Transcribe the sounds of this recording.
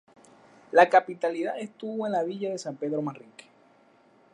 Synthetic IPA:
lakapit̪aliða̰ðest̪uβoe̞nlaβiʝaðe̞sampe̞ðɾomãnriŋke̥

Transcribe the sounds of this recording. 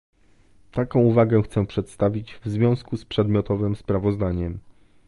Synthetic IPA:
t̪akɔ̃w̃uvaɡɛxt̪sɛpʂɛt̪st̪avʲid͡ʑvzvʲjɔ̃w̃skuspʂɛd̪mʲjɔt̪ɔvɘmspɾavɔzd̪aɲɛm

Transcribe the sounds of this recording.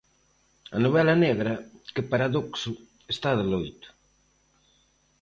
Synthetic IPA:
ɐ̰noβɛlaneɣɾɐkɪpaɾaðoksʊ | est̪aðelojt̪ʊ̥

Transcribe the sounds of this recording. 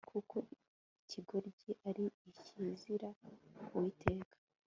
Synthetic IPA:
kʰukʰo | icʰiɡo̞ɾɟiʔaɾiːciːziɾakuwitʰe̞ːkʰḁ

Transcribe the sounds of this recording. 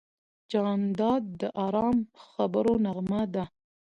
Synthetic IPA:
d͡ʒɑnd̪ɑd̪̚ːəʔɑɾɑmxabəɾonaɣmad̪a

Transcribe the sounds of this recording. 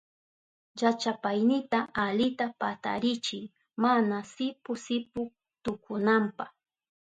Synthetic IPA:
jat͡ʃapajnɪt̪aalɪt̪apat̪a̰ɾɪt͡ʃɪŋ | manasɪpʊsɪpʊ | t̪ʊkʰʊnampah

